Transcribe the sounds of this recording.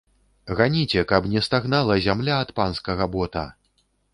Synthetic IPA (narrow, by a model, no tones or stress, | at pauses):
ɣanʲit͡sʲɛkɐpnʲɛst̪aɣnalˠɐzʲamlʲaːt̪panskɐɣɐbɔt̪ɐ̰